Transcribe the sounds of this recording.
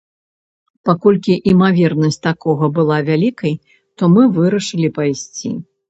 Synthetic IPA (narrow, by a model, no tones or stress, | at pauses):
pakɔlʲkʲiʔimavʲɛrnɐsʲt͡sʲt̪akɔɣɐbɨlˠavʲalʲikɐj | t̪ɔmɨvɨɾɐʂɨlʲipajsʲt͡sʲḭ